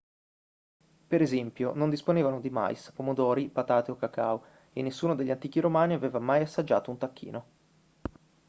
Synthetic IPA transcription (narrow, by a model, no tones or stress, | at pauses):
peɾezɛmpjonond̪isponeːvanod̪ima̰jspomod̪ɔːɾipat̪aːt̪iokːaka̰u | ḛnːesːuːnod̪eʎːant̪iːk̟iɾomaːniaveːvamajasːad͡ʒːa̰ːt̪ount̪akːḭːno